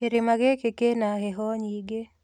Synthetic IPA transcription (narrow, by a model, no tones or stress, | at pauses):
eɾɪmaɡekekenaɦeɦɔɲiɡe